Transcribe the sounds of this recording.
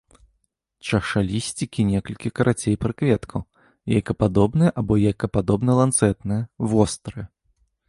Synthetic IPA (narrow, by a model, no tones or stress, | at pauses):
t͡ʂɐʂalʲisʲt͡sʲikʲinʲɛkɐlʲkʲikɐɾʔat͡sʲejpɾɨkvʲɛt̪kʰɐw | ja̰jkɐpad̪ɔbnɨjɛʔabɔjajkɐpad̪ɔbnɐlˠant̪sɛt̪nɨjɛvɔst̪ɾɨ